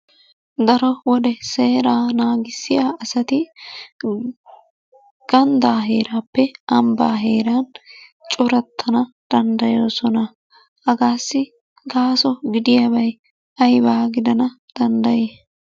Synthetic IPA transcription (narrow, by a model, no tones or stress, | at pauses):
d̪ɐɾɔwɔd̪ɛse̞ːɾaːnaːɡɪsːɪjaːɐsɐt̪ɪ | ɡ̥ɐnd̪aːɦeːɾaːpːɛʔɐmba̰ːɦe̞ːɾaːnt͡ʃʼʊɾɐt̪ʰːɐnɐ | d̪̥ɐnd̪ɐjo̞ːsɔnɐ | hɐɡaːsːɪ | ɡaːsɔɡɪd̪ɪjɐbɐj | ɐjbaːɡɪd̪ɐnɐ | d̪̥ɐnd̪ɐjeː